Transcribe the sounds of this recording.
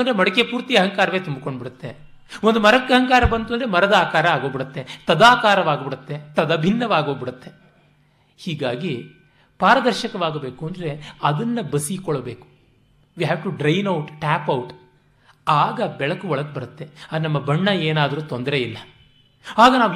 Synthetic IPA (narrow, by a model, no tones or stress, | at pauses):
ond̪ɾemɐɽɐkeɐpuːɾt̪ijɐɦɐŋkaːɾɐʋeːt̪umbuko̞ɳɖbiɽut̪ːe | ond̪umɐɾɐkːɐɦɐŋkaːɾɐbɐnd̪ond̪ɐɾemɐɾɐd̪aːkaːɾɐaːɡo̞ːbiɽɐt̪ːe̞t̪ɐd̪aːkaːɾɐʋaːɡɐbiɽut̪ːe̞t̪ɐd̪ɐbʱinːɐʋaːɡo̞ːbiɽut̪ːe̞ | hiːɡaːɡi | paːɾɐd̪ɐɾʃɐkɐʋaːɡɐbe̞ːkuɐnd̪ɐɾe̞ɐd̪ɐnːɐbɐsikɔɭɐbeːku̥ | ʋiːɦæːʋʈuɖɾɐjnɐwʈʈæːpɐwuʈ | aːɡɐbɛɭɐkuɔɭɐɡ̚bɐɾɐt̪ːe̞ɐnɐmːɐbɐɳːɐeːnaːd̪ɐɾuːt̪ond̪ɐɾe̞ilːɐ | aːɡɐnaːʋ